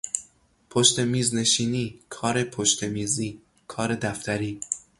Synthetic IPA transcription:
pʰoʃt̪e̞miːzne̞ʃiːniːkʰɒːɾe̞pʰoʃt̪e̞miːziː | kʰɒːɾe̞d̪æft̪æɾiː

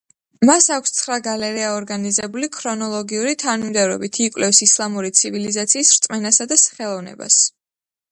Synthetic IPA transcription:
masakʷʰst̪sʰχɾaɡalɛɾiaɔɾɡanizɛbulikʰɾɔnɔlˠɔɡiuɾit̪ʰanumd̪ɛvɾɔ̰bit̪ʰikʼwlɛfsislˠamuɾit̪sʰivilizat̪sʰiːsɾt̪sʼmɛnasad̪asχɛlˠɔvnɛ̰ba̰s

